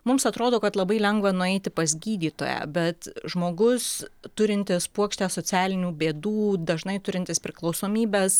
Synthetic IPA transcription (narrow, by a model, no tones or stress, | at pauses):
mʊmsɐt̪ɾoːd̪oːkɐt̪lˠɐbɐɪlʲɛŋɡʋɐnʊɛɪt̪ʲɪpɐzʲɡʲiːd̪ʲiːt̪o̰ːjæ̰bʲɛt̪ʒmoːɡʊst̪ʊɾʲɪnʲt̪ʲɪspuɔkʃʲt̪ʲæːsoːt͡ssʲæːlʲɪnʲuːbʲeːd̪uːd̪ɐʒnɐɪt̪ʊɾʲɪnt̪ʲɪspʲɾʲɪklˠɒʊsoːmʲiːbʲeːs